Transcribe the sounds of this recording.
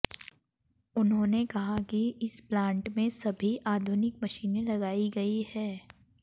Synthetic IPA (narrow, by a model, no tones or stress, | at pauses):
ʊnɦõːnekɐɦakiɪsplãːɳʈmẽsɐbʱiʔaːd̪ʱʊnɪkmɐʃiːnẽlɐɡaːiɡɐihɛː